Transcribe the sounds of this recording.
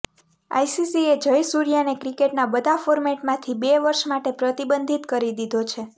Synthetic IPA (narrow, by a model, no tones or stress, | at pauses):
a̰jsisied͡ʒəjsuɾijanekɾikeʈnabəd̪ʱafoɾmeʈmãt̪ʰibeʋəɾʃmaʈepɾət̪ibənd̪ʱit̪kəɾid̪id̪ʱot͡ʃʰe